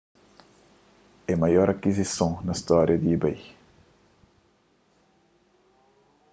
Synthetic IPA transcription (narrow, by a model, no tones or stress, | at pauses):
ɛmɐjɔɾɐkizisõnɐst̪ɔɾjɐd̪iibɐj